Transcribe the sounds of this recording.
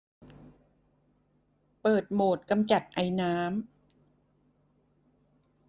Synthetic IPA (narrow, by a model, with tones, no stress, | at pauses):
pɤː˨˩t̪̚moː˨˩t̪̚ka˧mt͡ɕa˨˩t̪̚ʔa˧jnaː˦˥m